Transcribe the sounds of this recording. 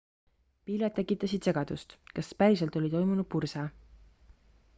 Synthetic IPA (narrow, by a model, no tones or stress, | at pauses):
piːlet̪̚ːe̞kːˑit̪ːˑɑsid̪̥se̞ɡ̥ɑd̪̥ust̪kɑspæɾis̬elt̪ˑo̞lʲit̪o̞jmunud̪̥̚pursɑ